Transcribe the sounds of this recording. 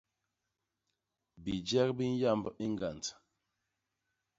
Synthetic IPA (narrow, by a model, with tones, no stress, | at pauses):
bi˨d͡ʒɛ˦k̚bi˦n̩˦ja˦˨mbi˦ŋ˦ɡa˨nt